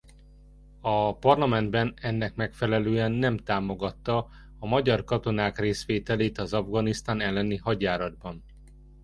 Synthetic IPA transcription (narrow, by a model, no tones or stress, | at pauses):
ɒpɒrlɒmɛnd̪bɛnɛnːɛkmɛkfɛlɛløːɛnːɛmt̪aːmo̞ɡɒt̪ːɒː | mɒɟɒrkɒt̪o̞naːkreːsʋeːt̪ɛleːt̪ɒzɒvɡɒnist̪aːnɛlːɛnihɒɟaːɾɒd̪̚bɒn